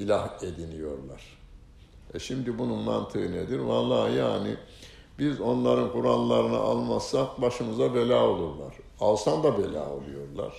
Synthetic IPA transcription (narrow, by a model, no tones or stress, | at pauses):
ilʲahe̞d̪inijo̞ɾlˠa̰ɾ̥ | ɛʃimd̪ibununma̰nt̪ʰɯɯned̪iɾvalˠːaːja̰ːni | bizo̞nlˠaɾɯnkʰuɾalˠːaɾɯna̰ʔalˠmasːak̚baʃɯmɯzabe̞lʲaːo̞lˠuɾlˠa̰ɾ̥alˠsand̪abelʲa̰ːo̞̰lˠujo̞ɾlˠa̰ɾ̥